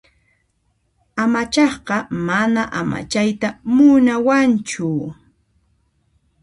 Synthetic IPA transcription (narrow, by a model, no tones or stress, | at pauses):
amat͡ʃɑχɢɑmanaʔama̰t͡ʃajt̪amʊnawant͡ʃʊ